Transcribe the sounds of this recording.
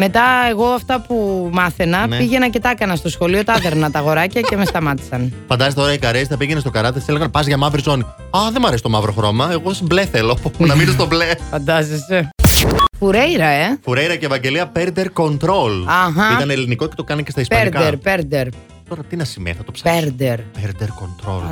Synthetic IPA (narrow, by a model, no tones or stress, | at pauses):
me̞t̪ɐe̞ɣo̞ɐft̪ɐpumɐθenɐpiʝenɐce̞t̪ɐkɐnɐst̪o̞sxo̞lio̞t̪ɐðeɾmnɐt̪ɐɣo̞ɾɐcɐce̞me̞st̪ɐmɐt̪i̥sɐnfɐnd̪ɐzes̬etoɾɐikɐɾest̪ɐpiʝenest̪o̞kɐɾɐt̪et̪iseleɣɐnpɐzʝɐmɐvɾizo̞ni | ɐðe̞mɐɾsi̥t̪o̞mɐvɾo̞xɾo̞mɐe̞ɣosiblefelonɐmiðes̬t̪oblefɐnd̪ɐzese | fuɾejɾɐe̞fuɾejɾɐceːvɐɲɟe̞liɐpeɾd̪eɾko̞nt̪ɾo̞lɐɦɐiɐneliniko̞ce̞t̪okɐnecest̪ɐispɐeɾkɐeɾpeɾd̪eɾ | t̪o̞ɾɐt̪inɐsimḛθɐt̪opsɐpeɾd̪eɾpeɾd̪eɾko̞nt̪ɾo̰l